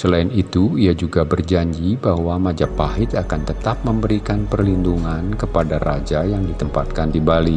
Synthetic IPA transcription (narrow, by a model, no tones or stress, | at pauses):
səlaɪnit̪uiad͡ʒuɡabərd͡ʒaɲd͡ʒibahwamad͡ʒapːaɦɪt̪akant̪ət̪ap̚məmbəɾikanpərlinduŋankəpadarad͡ʒajaŋdit̪əmpat̪̚kandibali